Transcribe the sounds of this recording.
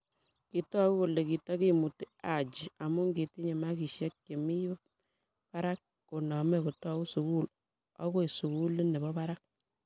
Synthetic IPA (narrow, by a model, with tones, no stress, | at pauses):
ki˨tɔ˦ku˦ko˨le˨ki˨ta˦ki˦mu˨ti˦a˨t͡ʃi˨a˨mu˦ŋɡi˨ti˦ɲe˨ma˦ki˨ʃjɛ˦k̚ke˨mi˦ | pa˦ɾa˦k̚ːo˨nɔ˨me˦ku˨tɔ˦ku˦su˨ku˦l | ɔ̰˦ko˦i˨su˨ku˦li˦ne˨bɔ˦pa˦ɾa˦k̚